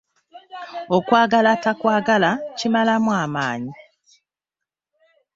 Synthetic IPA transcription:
okwaːɡalatakwaːɡalacimalamwaːmaːɲi

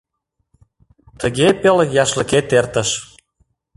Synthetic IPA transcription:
t̪əɣepeljɑʃlə̆ket̪ert̪əʃ

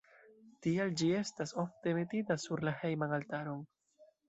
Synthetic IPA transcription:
tiald͡ʒie̞staso̞fte̞me̞titasuɾlahe̞jmanaltaɾo̞n

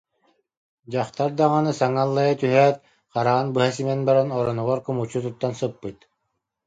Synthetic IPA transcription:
d͡ʑaχt̪aɾd̪aŋanɯsaŋalˠːajat̪yɦɛːt̪̚ | qaɾaʁanbɯɦasimɛnbaɾanɔɾɔnuʁɔɾkɯmut͡ɕːut̪̬ut̪ːansɯpːɯt̪

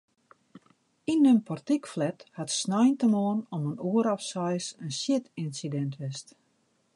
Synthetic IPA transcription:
inønpʰɔrtikflɛthatsnɔjntəmɔːənɔmənuəɾɔfsɛjsənsjɪtinsidɛntʰʋɪst

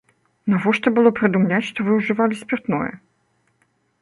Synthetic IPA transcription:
nɐvoʂt̪obɨlˠopɾʲɪd̪ʊmlʲætʲʂt̪ɔvɨʊʐɨvalʲɪsʲpʲɪrt̪no̰jɛ̰

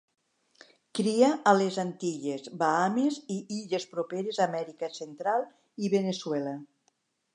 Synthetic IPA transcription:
kɾiaʔalezant̪iʎezbaameziiʎespɾopeɾezamɛɾikasent̪ɾalˠ | iβeneswɛla

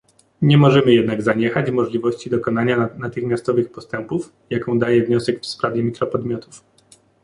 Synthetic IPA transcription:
ɲɛmɔʐɛmɘjɛd̪naɡzaɲɛxad͡ʑmɔʐlʲivɔɕt͡ɕid̪ɔkɔnaɲanat̪ɘxmʲjast̪ɔvɘxpɔst̪ɛmpuf | jakɔ̃w̃d̪ajɛvɲɔsɛkfspɾavʲjɛmʲikɾɔpɔd̪mʲjɔt̪uf

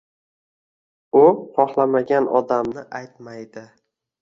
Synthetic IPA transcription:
ʊχɒχlˠamaɡʲanɒ̰d̪amnɪʔajt̪majd̪ɪ

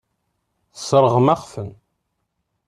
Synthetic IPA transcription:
θəsɾˤəʁmaɑʁfən

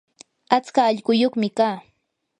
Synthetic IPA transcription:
at͡skaːʎɢʊjoχmɪkaː

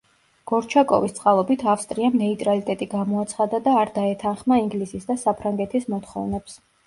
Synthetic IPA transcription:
ɡ̥ɔɾt͡ʃʰakʼɔ̰vist̪sʼqʼalˠɔbit̪ʰafst̪ʼɾiamnɛit̪ʼɾalit̪ʼɛt̪ʼiɡamɔat̪sʰχad̪ad̪aːɾd̪aɛt̪ʰanχmaiŋɡlisisd̪asapʰɾaŋɡɛt̪ʰismɔt̪ʰχɔ̰vnɛps

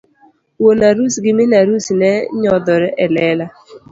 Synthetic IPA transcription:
wonaɾusɡɪmɪnaɾusnɛɲɔd̪ɔɾɛʔɛlɛla

